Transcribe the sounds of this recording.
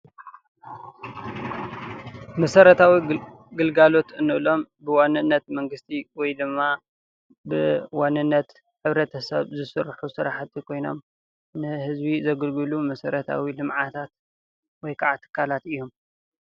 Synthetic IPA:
mɐsɐɾɐt̪ʰawi | ɡɨlɡalo̞t̪ɨnːɨβlo̞mbɨwanːɨnːɐt̪mɐŋɡɨst̪ʰiwɔjd̪ɨmːa | bɨwanːɨnːɐt̪ | ħɨβɾɐt̪ʰɐsɐ̰βzɨsɨɾħusɨɾaħat̪ʰikʰo̞jno̞̰m | nɨhɨzbizɐɡɨlɡɨlumɐsɐɾɐt̪ʰa̰wilɨmʕat̪ʰat̪ | wɔjkʰaʕat̪ʰːɨ̥kʰːalat̪ɨjːom

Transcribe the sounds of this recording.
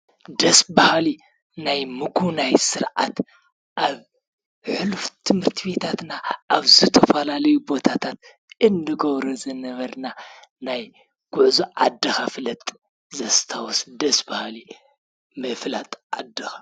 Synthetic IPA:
d̪ɐsbahli | najmɨkʰunajsɨɾʔa̰t̪ | ʔaβ | ħɨluft̪ʰɨmhɨɾt̪ʰiβe̞t̪ʰat̪naʔaβzɨt̪ʰɐfɐlalɐjubo̞t̪ʰat̪ʰat̪ | ɨnd̪ɨɡɐβɾɐzɐnɐβɐɾna | naj | ɡ̥uʕzuʔa̰d̪ːɐxafɨlɐt̪ʼ | zɐst̪ʰawusd̪ɐsbahli | mɐflat̪ʼʔad̪ːɐxḁ

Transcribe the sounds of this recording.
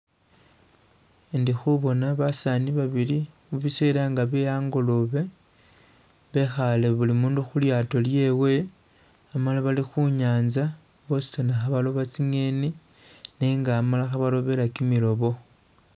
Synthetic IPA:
ndixuβo̞naβasaniβaβiliβuβiseɾaŋɡaβejaːŋɡoloβe̞ | βe̞xale̞βulimuːnduxuljaːto̞lje̞we̞ | amalaβalixuɲaːnza | βo̞si̥tanaxaβalo̞βat͡siŋe̞ni | niŋɡaːmalaxaβalo̞βe̞lakimilo̞βo̞

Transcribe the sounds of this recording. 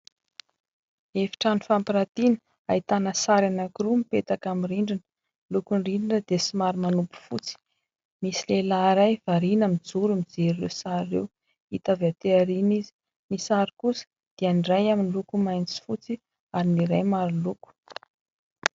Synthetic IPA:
efi̥ʈ͡ʂanifampiɾat̪inə̥ | ait̪anəsaɾanakiɾumipet̪akamiriɳɖ͡ʐinə̥ | lukunriɖ͡ʐinəd̪esimaɾimanupu̥fut͡si̥ | misilelaɾajv̥aɾinəmid͡zuɾumid͡zeɾirḛwsaɾːḛw | it̪aveat̪eaɾinizi̥ | misaɾikusə̥ | d̪̥eaniɖ͡ʐajaminilukumajnt͡si̥fut͡si | aɾiniɾajmaɾiluku̥

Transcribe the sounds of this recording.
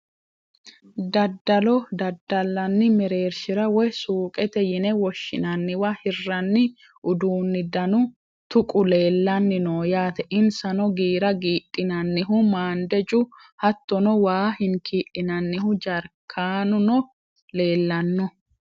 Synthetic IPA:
d̪ɐd̪ːɐlɔd̪ɐd̪ːɐlːɐnːɪmɛɾe̞ːɾʃɪɾɐwɔjsuːkʼɛt̪ɛjɪnɛwɔʃːɪ̰nɐnːɪwahɪrːɐnːɪ | ʔʊd̪uːnːɪd̪ɐnʊ | t̪ʊkʼʊle̞ːlːɐnːɪnoːjaːt̪ɛʔɪnsɐnɔɡiːɾɐɡiːᶑʼːɪnɐnːɪɦʊmaːnd̪ɛd͡ʒʼʊ | hɐt̪ːɔnɔwaːhɪnkʰiːʔɪnɐnːɪhʊd͡ʒɐɾkʰːaːnʊnɔ | le̞ːlːɐnːɔ

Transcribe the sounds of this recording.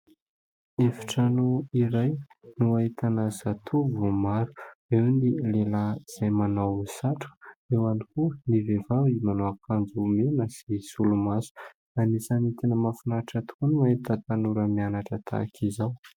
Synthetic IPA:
efi̥ʈ͡ʂanuiɾaj | nuait̪anazat̪ʰuvumaɾu̥ewnilelaz̥ajmanawsaʈ͡ʂu̥ewanikunivevavimanoakand͡zumenəsisulumasu̥ | anisanit̪enəmafunaʈ͡ʂat̪u̥kunuait̪ət̪anuɾəmianaʈ͡ʂət̪ʰa̰kʰizaw

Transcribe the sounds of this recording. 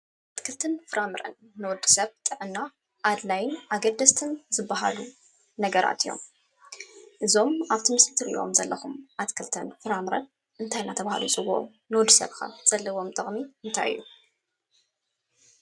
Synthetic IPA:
ʔʔʔat̪kʰɨlt̪ʰɨnfɨɾamɨɾɐ̰nːɨwɔd̪ɨ̥sɐβt̪ʼɨʕɨnːa | ʔːd̪lajnʔaɡɐd̪ɐst̪ʰɨnzɨbːaɦa̰lu | nɐɡɐɾa̰t̪ʰijo̞̰m | ʔɨzo̞mʔaβt̪ʰimɨsɨt̪ʰɨɾʔḭʔo̞̰mzɐlːɐxumʔat̪kʰɨlt̪ʰɨnfɨɾamɨɾɐn | ʔɨnt̪ʰajnat̪ʰɐβaha̰lut͡sʼɨɡuʔo̰ | nɨwɔd̪ɨ̥sɐ̰βkʰa̰z̥ɐlːɐwo̞mt̪ʼɨχʼmiɨnt̪ʰa̰jɨ̰jːu

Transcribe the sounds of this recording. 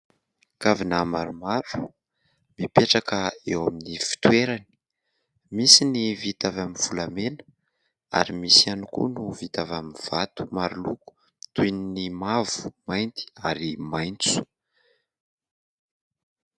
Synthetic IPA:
kavinamaɾumaɾu̥ | mipeʈ͡ʂakəewaminifi̥t̪uweɾani̥ | misinivit̪avaminv̥ulamenə | a̰ɾimisianukṵnuvit̪avaminv̥at̪u̥maɾuluku̥ | t̪uninimavu̥majnt̪i̥aɾimajnt͡su̥

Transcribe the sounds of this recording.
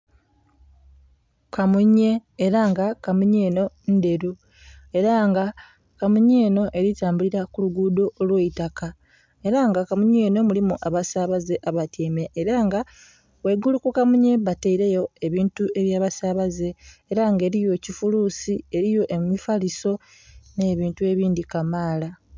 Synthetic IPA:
kamuɲe̞ːɾaŋɡakamuɲeːno̞ | nde̞ɾu | e̞ɾaŋɡa | kamuɲe̞ːno̞ʔe̞ɾitaːmbuliɾakuluɡuːdo̞ʔːlweitaka | e̞ɾaŋɡakamuɲe̞ːno̞mulimuʔaβasaβaze̞ʔaβatʰiːmeʔːɾaŋɡa | we̞ɡulukukamuɲe̞βateiɾe̞jo̞e̞βiːntue̞βjaːβasaβaze̞ːɾaŋɡe̞ːɾijo̞cifuluːsie̞ɾijo̞ʔemmifaliso̞ | ne̞ːβiːntue̞βiːndikamaːla

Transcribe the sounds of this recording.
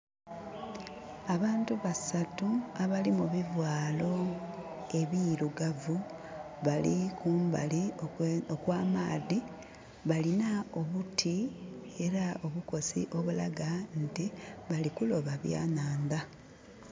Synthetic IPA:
aβaːntuβasatuaβalimuβivwaːlo̞ | e̞βiɾuɡavu | βalḭkuːmba̰liookwaːmaːði | βalinao̞βutʰi | e̞ɾao̞βuko̞sḭʔo̞βula̰ɡantiβalikulo̞βaβja̰ːnaːnd̪a

